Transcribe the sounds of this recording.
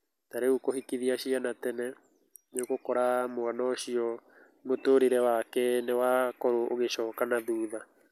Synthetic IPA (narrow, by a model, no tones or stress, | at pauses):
taɾeukohikiðiaɕianatɛnɛ | neɣokɔɾamoanɔɕiɔ | notoɾeɾɛwakɛnewakɔɾoʔoɣeʃɔːkanaðuːða